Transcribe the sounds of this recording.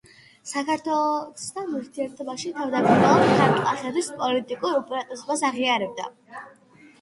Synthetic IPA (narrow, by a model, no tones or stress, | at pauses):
sakʰaɾt̪ʰwɛsd̪anuɾt̪ʰiɛɾt̪ʰɔbaʃit̪ʰavd̪akʼiɾalˠɔχaɾt̪ʼqʼaχɛbispʼɔlit̪ʼikʼuɾupʼɾat̪ʼɛsbasaʁiaɾɛb̚d̪a̰